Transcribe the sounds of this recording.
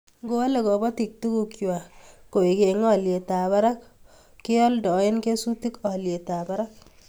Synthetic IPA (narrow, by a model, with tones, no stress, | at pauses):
ɡo˦le˨ɡɔ˨bɔ˦ti˨k̚tu˦ku˨kwa˨ko˨i˨ɡe˨ŋɔ˦˨lje˨ta˨ba˦ɾa˦k | kːɪ˦ɔ˦ldɔ˨˦ɪ˦nke˦su˦ti˦kɔ˨lje˨ta˨ba˦ɾa˦k̚